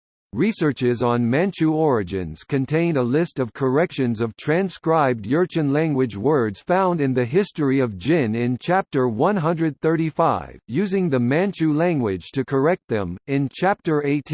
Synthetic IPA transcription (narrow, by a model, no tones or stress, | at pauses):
ɹisɜ˞t͡ʃɪzn̩mæ̃nt͡ʃʉɔɹɨd͡ʒɨ̰̃nz̥kʰɨ̃ntʰẽɪ̃ndəlɪstʌv̥kʰə˞ɛkʃɨ̃nzʌv̥tʰɹ̥æ̃nskɹaɪb̚djɜ˞t͡ʃɨ̃nlæ̃ŋɡwɨd͡ʒwɜ˞dz̥fãʊ̃ndɨ̃nðɨɦɪstə˞iʌvd͡ʒɪ̃nɪ̃nt͡ʃʰæp̚tə˞wʌ̃nɦʌ̃ndɹɨd̪̚θɜ˞ɾifaɪvjʉzɪ̃ŋðɨmæ̃nt͡ʃʉlæ̃ŋɡwɪd̥ʒ̥tʰɨkʰə˞ɛk̚t̪̚ðɨ̃mɪ̃nt͡ʃʰæp̚tə˞eɪtʰ